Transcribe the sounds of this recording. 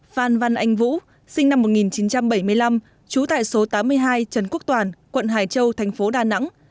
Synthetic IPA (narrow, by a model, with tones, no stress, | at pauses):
faː˨˩nva˨˧˩nʔa˧˩jŋ̟vṵ˧˥ | sï˧ŋ̟na˧mːo˨˩ŋi˨˩nt͡ɕi˨˦nt͡ɕa˧mɓə˧˩jmɨ˧əjla˧m | t͡ɕu˨˦t̪a̰ː˧˨jso˨˦t̪aː˨˦mːɨ˧əjɦaː˧jt͡ɕə˨˩nku˦˥ək̚t̪waː˨˩nkwə̰˧˨nɦaː˨˩jt͡ɕə˧wt̪ʰɛ˨˩jŋ̟fo˨˦ɗaː˨˩na̰˧˥ŋ